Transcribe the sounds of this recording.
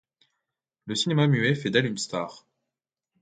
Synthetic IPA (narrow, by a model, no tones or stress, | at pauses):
ləsinemamyɛfɛd̪ɛlynst̪aːʁ